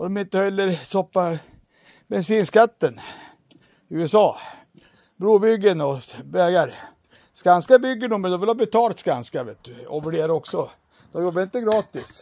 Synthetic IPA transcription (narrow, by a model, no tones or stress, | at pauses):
ɔd̪ɔmɪnt̪əhɛlːəɾsɔpːa | bɛnsiːnskat̪ːən | ʉːɛsɑː | bɾuːbʏɡːənɔvɛːɡaɾ | skanskabʏɡːəɳʊmːɛnd̪ɔmʋɪlhɑːbɛt̪ʰɑːlt̪skanskavḛːt̪̚d̪ɵɔ̰bəɖeːɾɔksɔ | d̪̥ɔmjɔbːaɾɪnt̪əɡɾɑːt̪ɪs